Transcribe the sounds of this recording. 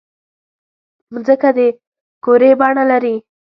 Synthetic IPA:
mzəkad̪e | koɾebɑɳalaɾi

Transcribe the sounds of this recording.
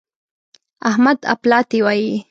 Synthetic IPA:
ahmad̪a̰plɑt̪iwɑːji

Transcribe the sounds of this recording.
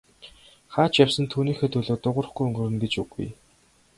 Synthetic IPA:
χaːt͡ɕjawsə̆nt̪ʰuːniːxeːt̪ʰɵɮoːt̪ːʊʁə̆rχɡujɵŋɡɵ̆rɘ̆nɡet͡ɕɵ̰ɣṵj

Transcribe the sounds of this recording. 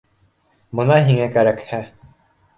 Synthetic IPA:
mŏnɑɦiŋækæɾækhæ

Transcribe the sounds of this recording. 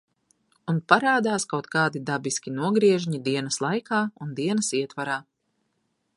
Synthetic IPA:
unpaɾaːd̪aːskawt̪kaːd̪id̪abiskʲinuɔɡɾiɛʒɲid̪iɛnɐslˠajkaːund̪iɛnɐsiɛt̪vaɾaː

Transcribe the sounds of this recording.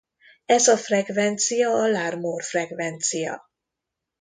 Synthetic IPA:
ɛzɒfrɛɡvɛnt̪sijɒːlaːrmorfrɛɡvɛnt̪sijɒ̰

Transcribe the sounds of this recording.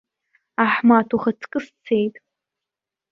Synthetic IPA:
aħmaːtʰuχɐtʰkʼɨst͡sʰejtʼ

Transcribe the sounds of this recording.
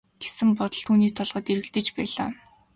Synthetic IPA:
ɡ̥esɘ̆mpɔt̪ɞ̆ɬt̪ʰːuːniːt̪ʰɔɮʁə̆t̪eɾɘ̆ɮt̪ɘ̆t͡ɕpæːɮa̰ː

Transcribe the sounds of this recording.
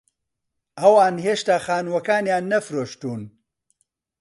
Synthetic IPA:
ɐwaːnɦeːʃt̪axaːnwɐkaːnjaːnːɐfɾoʃt̪uːn

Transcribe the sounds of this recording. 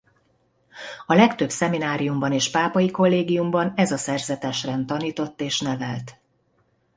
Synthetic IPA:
ɒlɛkt̪ø̞bsɛminaːɾijumbɒneːʃpaːpɒjiko̞lːeːɡijumbɒnɛzɒsɛrzɛt̪ɛʃrɛnt̪ɒniːt̪o̞t̪ːeːʃnɛvɛlt̪

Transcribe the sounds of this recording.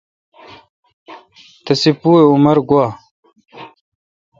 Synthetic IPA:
t̪ɐsipuːeumɐɾɡwaː

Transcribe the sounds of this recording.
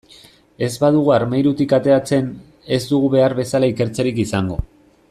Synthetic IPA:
e̞zβaðuɣuaɾmejɾut̪ikat̪e̞at͡se̞n | e̞zd̪uɣuβe̞aɾβe̞salaike̞ɾt͡seɾikisaŋɡo̞̰

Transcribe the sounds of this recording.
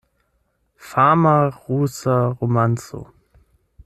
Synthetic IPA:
faːmaʁuːsaʁomant͡so̰

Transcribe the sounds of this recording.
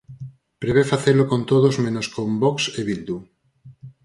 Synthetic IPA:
pɾeβefaθelokont̪oðozmẽnoskombɔkseβild̪u

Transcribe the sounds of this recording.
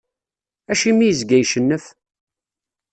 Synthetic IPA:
æʃimijəzɡæjʃənːəf

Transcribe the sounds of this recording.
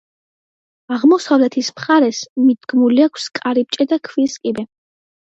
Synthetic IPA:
aʁmɔsavlɛt̪ʰismχaɾɛsmid̪ɡmuliakʷʰskʼaɾip̚t͡ʃʼɛd̪akʰviskʼibɛ

